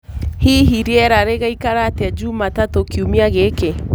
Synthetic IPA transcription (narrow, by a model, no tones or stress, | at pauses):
hiɦiɾiɛɾaɾeɣaikaɾatead͡ʒuːmatatokiumiaɣeke